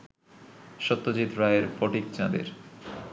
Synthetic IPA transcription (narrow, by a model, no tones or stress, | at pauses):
ʃɔt̪ːod͡ʑit̪ɾajeɾfɔʈik̚t͡ɕãd̪ḛɾ